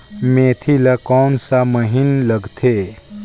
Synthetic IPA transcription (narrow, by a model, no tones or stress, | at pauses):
meːt̪ʰilakɔːnsaməɦinləɡt̪ʰe